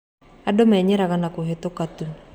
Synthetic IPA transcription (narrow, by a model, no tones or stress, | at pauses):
adomɛɲɛɾaɣanakoɦet̪okat̪u